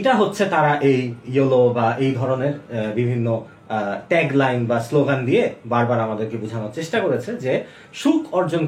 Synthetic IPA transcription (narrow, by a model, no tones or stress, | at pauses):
ʈaɦotːɕʰet̪aɾaʔejjolobaʔejd̪ʱɔɾoneɾbibʱinːo | ʈɛɡlajnbasloɡand̪ijebaɾbaɾamad̪eɾkebud͡ʑʱanaɾt͡ɕeʃʈakoɾet͡ɕʰed͡ʑe | ʃukɔɾd͡ʑon